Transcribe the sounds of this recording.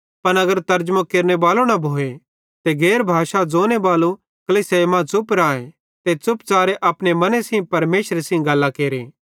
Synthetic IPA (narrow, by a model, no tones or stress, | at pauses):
pɐnɐɡəɾt̪ɐɾd͡ʒmãkeːɾnebaːlonɐbʱoːe | t̪eɡeːɾbʱaːʃad͡zoːnebaːlu | kɐlisemãt͡sʊpɾãːẽ | t̪et͡sʊpt͡saːɾeʔɐpɽemɐneseĩpɐɾmeːʃɾesẽɡɐlːakeːɾeː